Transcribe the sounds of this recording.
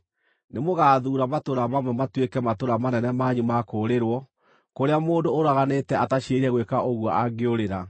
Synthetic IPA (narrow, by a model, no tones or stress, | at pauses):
nemoɣaːðuːɾamatoɾamamwɛmatwekɛmatoɾamanɛnɛmaɲumakoɾeɾwɔ | koɾeamoːndoːɾaɣanetɛataɕeɾiɛɣwekaʔoɣwɔaɡeoɾeɾa